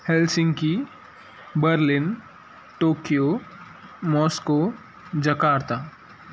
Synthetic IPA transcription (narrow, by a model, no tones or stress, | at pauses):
hɛlsɪ̃ŋɡki | bəɾlɪn | ʈoːkijo | mɔːsko | d͡ʒɐkaːɾt̪aː